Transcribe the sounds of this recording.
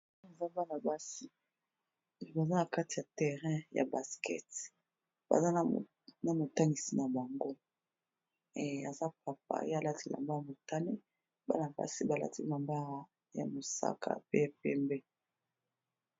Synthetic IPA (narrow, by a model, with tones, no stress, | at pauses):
a˨za˦ba˦na˨ba˦si˦˨ | ba˨za˦na˨ka˦ti˨ja˨tɛ˨ʁɛ̃˦ja̰˨ba˨skɛ̰˦t | ba̰˨za˦˨ | na˨mo˨ta˦ŋɡi˨si˨na˨ba˨ŋɡo˦ | e˨a˨za˦pa˨p̚a̰˦˨je˦a˦˨la˦ti˦la̰˨mba˦˨mo˨ta˦ne˦ | ba̰˦na˨ba̰˦si˦ba˨la̰˦ti˦la˨mba˦ʁa˦ | ja̰˨mo˨sa̰˦kʰa̰˨pe˦a˨pɛ˦mbɛ˦